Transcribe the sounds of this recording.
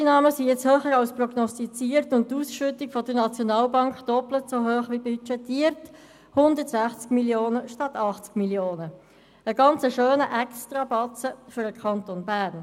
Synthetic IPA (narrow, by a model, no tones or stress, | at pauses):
inɑːməsijɛt͡shøːχəɾɑlsprɔɡnɔstit͡siːəɾtʊnttːuːsʃʏtikfɔdənɑt͡sjɔnɑːlbɑŋkχd̥ɔplətsoɦøːχʋibyt͡ʃɛtːiəɾt | hʊnd̪ətsæχt͡skmiljoːnəʃtɑt̪ɑχt͡skmiljoːnə | əɡɑnt͡səʃøːnəʔɛkstʁɑbɑt͡səfʏɾəkʰɑntonbæːrn